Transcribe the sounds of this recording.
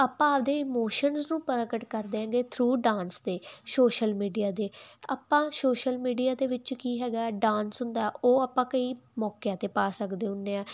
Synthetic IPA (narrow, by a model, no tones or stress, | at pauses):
apːãːʋd̪eːɪmoːʃənznũːpəɾəkəʈkəɾd̪eːɦãːŋɡeːt̪ʰɾuːɖãːnsd̪eːsoːʃəlmiːɖijaːd̪eːa̰ːpːãːsoːʃəlmiːɖijaːd̪eːʋɪt͡ʃkiːɦɛːɡaːɛɖãːnsɦʊnd̪aːɛoːaːpːãːkəiːmɔːkejãːt̪eːpaːsəkd̪eːɦʊnːeːãː